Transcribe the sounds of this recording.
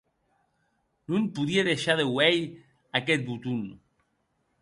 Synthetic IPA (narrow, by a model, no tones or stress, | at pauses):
nunpuðieðeʃaðewej | aket̪̚but̪un